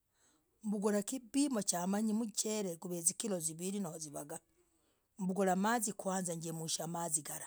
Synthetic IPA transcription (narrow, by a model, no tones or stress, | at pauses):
mbuɡolakibimocamaɲimuceɾeɡuβezikiloziβiɾinohoziβaɡa | mbuɡolamazikwaːnzaɲɟemuʃamaziɡaɾa